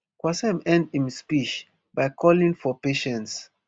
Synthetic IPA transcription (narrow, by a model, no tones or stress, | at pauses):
kwasɛ̃mɛ̃ndĩmspit͡ʃ | bajkʰɔlĩŋfɔpeʃɛ̃nts